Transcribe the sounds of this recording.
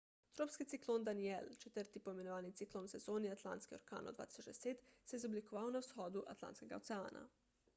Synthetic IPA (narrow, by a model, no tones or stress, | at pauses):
t̪ɾoːpskit̪siklond̪anielt͡ʃɛt̪əɾt̪ipɔimenoʋaːnit̪sikloːnsɛzoːniat̪la̰ːnt̪skioɾka̰ːno̰d̪ʋa̰t̪i̥sod͡ʒd̪ɛseːt̪seɛizoblikoʋaːwnawsxɔːd̪uʔa̰t̪la̰nt̪skeɡa̰ot̪seaːnʔa̰